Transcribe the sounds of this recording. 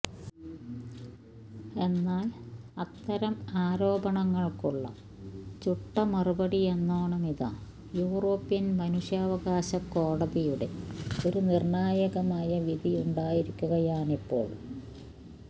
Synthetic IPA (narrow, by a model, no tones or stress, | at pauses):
e̞nːaːlɐt̪ːɐɾɐmaːɾo̞ːbɐɳɐŋːɐɭkuɭːɐ̰ | t͡ɕuʈːɐmɐrubɐɽie̞nːoːɳɐmiða̰ | juːro̞ːpːijɐnmɐnuʂjaːʋɐɣaːɕɐkːo̞ːɽɐðijuɽe̞̰oɾunirɳaːjɐɣɐmaːjɐʋiðiuɳɖaːjiɾikʲːuɣɐjaːnipːo̞̰ːɭ